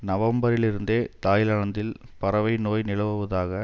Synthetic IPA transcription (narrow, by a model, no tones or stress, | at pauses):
nɐʋɐmbɐɾɪlɪɾɯnd̪eːt̪aːjɪlɐɳɐnd̪ɪl | pɐɾɐʋɐɪnoːjnɪlɐʋɯʋɐðaːɣɐ